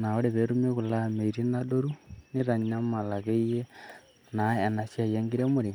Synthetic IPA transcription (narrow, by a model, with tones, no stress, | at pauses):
na˨o˦ɾe˨βeɾume˦ɣu˨la˦me˨iɾi˦na˦do˦ɾu˦ne˦ɾa˨ɲa˦ma˨la˨ɣe˦ije˦ | na˨e˨na˨sia˨je˦ŋɡi˦ɾe˦moɾi˨ŋ